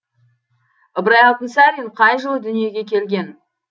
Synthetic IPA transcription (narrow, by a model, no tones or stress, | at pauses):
əbɾɑjɑlˠt̪ənsɑɾʲinqʰɑjʒəlˠəd̪ʏnije̞ɡʲe̞kʲʰe̞lɡʲe̞n